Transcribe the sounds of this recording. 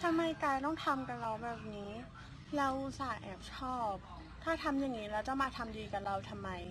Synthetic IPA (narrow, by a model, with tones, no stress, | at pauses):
t̪ʰa˧mːa˧jkaː˧jt̪ɔ˥˩ŋt̪ʰa˧mka˧˩ɾa˧wbɛː˨˩p̚niː˦˥ | lɛː˦˥wʔu˧˩saː˨˩˦ʔɛː˨˩p̚t͡ɕʰɔː˥˩p̚ | t̪ʰaː˥˩t̪ʰa˧mjaː˨˩ŋːiː˦˥ɾɛː˧˦˥wt͡ɕa˧˥˩wmaː˧t̪ʰa˧mdiː˧ka˨˩ɾa˧wt̪ʰa˧mːa˧j